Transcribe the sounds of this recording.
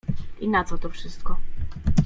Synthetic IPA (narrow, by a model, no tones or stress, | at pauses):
inat̪sɔt̪ɔfʂɘst̪̚kɔ